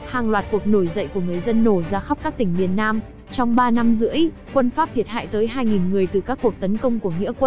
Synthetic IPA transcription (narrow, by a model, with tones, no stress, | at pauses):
haː˨˩ŋlwaː˨˩t̚ku˨˩ək̚no˧˩jzə̰˧˨jku˧˩əŋɨ˨˩əjzə˧nːo˧˩zaː˧xa˦˥k͡p̚kaː˦˥k̚t̪ï˧˩ŋ̟mi˨˩ət̚naː˧m | t͡ɕɔ˧wŋ͡mɓaː˧na˧mzɨ̰˧˥əj | kwə˧nfaː˦˥p̚t̪ʰi˨˩t̚ha̰ː˧˨jt̪əː˨˦jɦaː˧jŋi˨˩nŋɨ˨˩əjt̪ɨ˨˩kaː˦˥kːu˨˩ək̚t̪ə˨˦nkə˧wŋ͡mku˧˩əŋḭ˧˥kwə˧